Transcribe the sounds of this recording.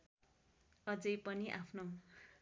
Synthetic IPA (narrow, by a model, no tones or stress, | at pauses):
ʌd͡zʌjpʌniʔapʰno